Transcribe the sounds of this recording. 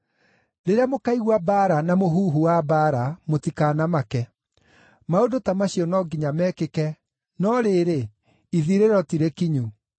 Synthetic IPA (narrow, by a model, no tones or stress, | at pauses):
ɾeɾeamokaiɣwabaːɾanamoɦuːɦuwabaɾamotikaːnamakɛ | maodotamaɕiɔnɔɡiɲamɛːkekɛ | nɔɾeːɾe | iðiɾeɾɔtiɾekiɲu